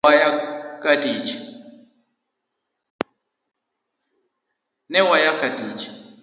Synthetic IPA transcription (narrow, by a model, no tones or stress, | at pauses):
ajakadit͡ʃ | nɛwajakadiːt͡ʃ